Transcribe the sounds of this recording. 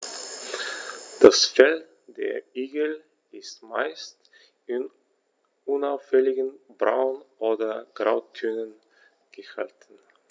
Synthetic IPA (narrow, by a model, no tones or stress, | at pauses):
d̥asfɛl | deːɐiːɡəl̩ | ɪstma̰ɪst | ɪn | ʊnaʊfɛlɪɡənbʁa̰ʊnʔoːdɐɡ̥ʁaʊtʰønən | ɡ̥əʃa̰ltn̩